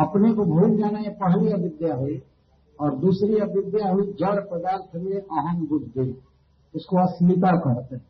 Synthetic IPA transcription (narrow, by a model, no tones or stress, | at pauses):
ɐpnekobʱuk̪aːnaẽpəɦliɐbɪd̪jaɦue | ɔːɾd̪uːsɾiɐbɪd̪jaɦʊid͡ʒəɾpɾəd̪aːnt̪ɦəɾiɾeʔaːɦə̃nbʊdd̪eː | ʊskoəslɪk̪akəɾət̪